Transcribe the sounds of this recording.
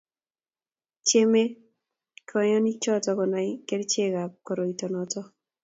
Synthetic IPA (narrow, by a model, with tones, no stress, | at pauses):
t͡ʃe˦me˦ | kʰɔ˨˦jɔ˦ni˦t͡ʃɔ˦tɔ˦kɔ˨na˨ike˦ɾt͡ʃe˦ka˨p̚kɔ˨ɾo˨i˨to˨nɔ˨tɔ˦